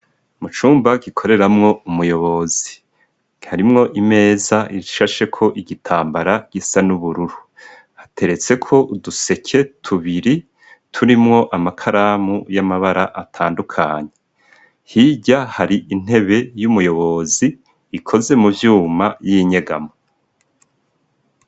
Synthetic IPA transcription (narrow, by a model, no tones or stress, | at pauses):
mut͡ʃuːmbaɡikʰo̞ɾe̞ɾamŋo̞umujo̞βo̞zi | haɾimŋo̞ʔime̞ːzaiɾiʃaʃe̞kʰo̞ʔiɡitʰaːmbaɾaɡ̥isanuβuɾuɾu | hḁtʰe̞ɾe̞t͡se̞kʰo̞uduse̞kʰe̞tʰuβiɾi | tʰuɾimŋo̞ʔamakʰaɾaːmujamaβaɾaʔatʰaːndukʰaːɲe | hiɟahaɾiʔin̥e̞βe̞jumujo̞βo̞ziː | kʰo̞ze̞muvjuːmajiɲe̞ɡa̰mo